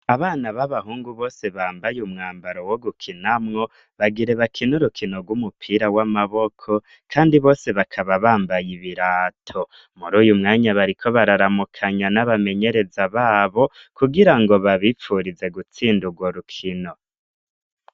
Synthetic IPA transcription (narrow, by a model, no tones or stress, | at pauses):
aβaːnaβaβahuːŋɡuβo̞ːse̞βaːmbajumŋaːmbaɾo̞woɡukʰinamŋo̞ | βaɡiɾe̞βakʰinuɾukʰino̞ɡwumupʰiːɾawamaβo̞kʰo̞ | kʰaːndiβo̞ːse̞βakʰaβaβaːmbajiβiɾaːtʰo | muɾuːjumŋaːɲaβaɾikʰo̞βaɾaɾamukʰaɲanaβame̞ɲe̞ɾe̞zaβaːβo̞ | kʰuɡiɾaŋɡo̞βaβifuɾize̞ɡut͡siːnduɡwoɾukʰino̞